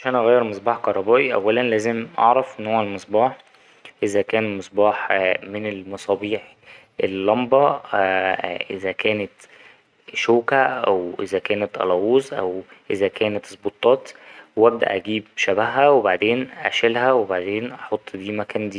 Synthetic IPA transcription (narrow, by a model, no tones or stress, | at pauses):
ʕaʃæːnʔɑɣæjːeɾmesˤbɑːħkɑɾˤɑbæːʔiʔæ̰wːælænlæːzemʔɑ̰ʕɾˤɑfʔenːhowːælmesˤbɑːħ | ʔezækæːnmesˤbɑːħmenelmɑsˤɑːbiːħ | ʔelːɑmbɑ | ʔezækæːnet̪ | ʃoːkæʔæwʔezækæːnet̪ʔɑ̰lɑːwuːzʔæ̰wʔezækæːnæt̪sˤbot̪ˤːɑːt̪wʔæb̚d̪æ̰ʔæɡiːb̚ʃæbæhːæwebaʕd̪eːnʔæ̰ʃælhæwebaʕd̪eːnʔɑħot̪ˤːd̪iːmækæːnd̪iː